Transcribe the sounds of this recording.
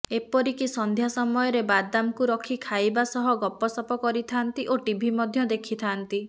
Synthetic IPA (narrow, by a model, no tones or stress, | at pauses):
epɔɾikisɔnd̪ʱjasɔmɔjɔɾebad̪amkuɾɔkʰikʰajbasɔɦɔɡɔpːɔsɔpɔkɔɾit̪ʰant̪iʔoʈibʱimɔd̪ʱjɔd̪ekʰit̪ʰant̪i